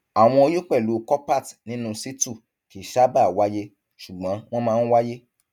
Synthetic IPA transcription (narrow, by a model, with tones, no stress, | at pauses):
a˨w̃ɔ̃˧o˧jo˦k͡pɛ˦˨lu˨˦kɔ˦pa˦˨tnĩ˨˦nũ˦˧si˦tu˦˨ | ki˨ʃa˦ba˦˨wa˦je˦ | ʃu˨ɡ͡bɔ̃˨˦w̃ɔ̃˦mãː˦n̩˦wa˦je˦